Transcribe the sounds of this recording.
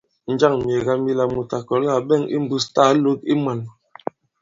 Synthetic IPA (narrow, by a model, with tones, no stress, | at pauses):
n̩˨˦d͡ʒa˦˨ŋm˨e˨ɣa˦mi˦la˨mu˨ta˨kɔ˨˦la˨bɛ˦˨ŋḭ˦m̩˦bu˦sta˦lo˦k̚i˦ma˨n